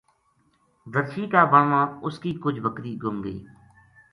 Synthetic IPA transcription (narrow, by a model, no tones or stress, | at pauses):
d̪əɾʃiːkaːbəɳʋãːʊskiːkʊd͡ʒʱʋəkɾiːɡʱʊmɡəḭː